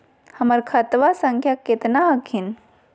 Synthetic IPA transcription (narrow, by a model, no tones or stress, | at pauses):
həməɾkʰɐt̪ʋasəŋkʰjaket̪naɦəkʰin